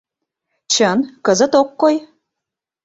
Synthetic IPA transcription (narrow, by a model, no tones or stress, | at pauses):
t͡ɕənkəzə̆t̪okːoj